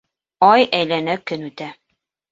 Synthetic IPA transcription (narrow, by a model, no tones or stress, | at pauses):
ɑjʔæjlænækɘ̆nʉt̪æ